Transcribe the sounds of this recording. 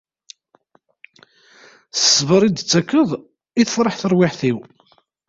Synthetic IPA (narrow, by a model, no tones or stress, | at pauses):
θə̥sːvəɾˤid̪ət͡sːækːəðˤ | iθəfɾˤəħθəɾˤwɪħθiw